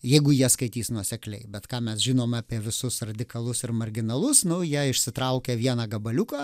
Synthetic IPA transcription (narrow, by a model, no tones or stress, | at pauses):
jɛɪɡʊjiɛskɐɪt̪ʲiːsnuɔsʲɛklʲɛɪbʲɛt̪kɑːmʲɛsʒʲɪnoːmɑːpʲiɛʋʲɪsʊsrɐd̪ʲɪkɐlˠʊsɪrmɐrʲɡʲɪnɐlˠʊsnʊjiɛɪʃʲsʲɪt̪ɾɐʊkʲeːʋʲiɛnɑːɡɐbɐlʲʊkɑː